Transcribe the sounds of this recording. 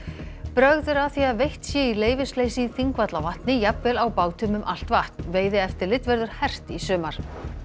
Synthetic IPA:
pɾœɣðʏɾaθiaðvejht̪sjɛileːjvɪsleːjsɪθiŋkvat̪lavaht̪nɪjapvɛːlawpaːwt̪ʰʏmʏmʔal̥t̪vaht̪nveːjðɪɛft̪ɪɾlɪt̪vɛɾðʏɾ̥hɛr̥t̪isʏːmaɾ̥

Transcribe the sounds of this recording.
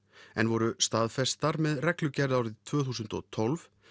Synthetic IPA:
ɛnvɔɾʏst̪aːðfɛst̪aɾmɛðrɛklʏcɛɾðaːwɾɪðt̪ʰvœːθuːsʏnt̪ɔ̰ɣt̪ʰɔlv

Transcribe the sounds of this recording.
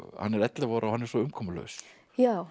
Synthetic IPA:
ha̰nːɛɾɛt̪lavɔːɾʔaɔhanːɛɾsɔʏmkʰɔmʏlœ̰ɥs | jaw

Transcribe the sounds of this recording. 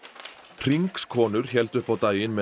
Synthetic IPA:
pʰɾ̥iŋkskʰɔːnʏɾ̥çɛlt̪ʏhpawt̪aːjɪnmɛ

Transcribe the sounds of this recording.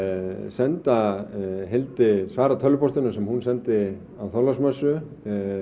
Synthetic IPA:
sɛnt̪aɦɪlt̪ɪsvaːɾat̪ʰœlːʏpɔst̪ɪnʏsɛmhunsɛnt̪ɪ | awθɔlasmœsʏ

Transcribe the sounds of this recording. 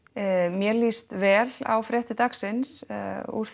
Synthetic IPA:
mjɛlist̪vɛːla̰wfɾɛht̪ɪt̪aksɪnsṵɾ̥θ

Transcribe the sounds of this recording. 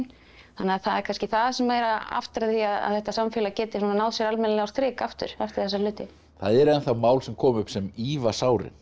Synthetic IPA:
n | θanːɪaθaðɛɾkʰalscɪθaðasɛmaːɾaa̰ft̪ɪɾaθiaða̰ðθɛht̪asamfɪːlacɛːt̪ɪsɔnanaːwðsjɛɾalmɛnlɛawɾθɾɪːkaft̪ʏ̰ɾ̥aft̪ɪɾ̥θɛsːalʏːt̪ɪ | θaðɛɾɛnθamaːwlsɛmkʰɔːmʏpsɛmiːvasaːwɾɪ̰n

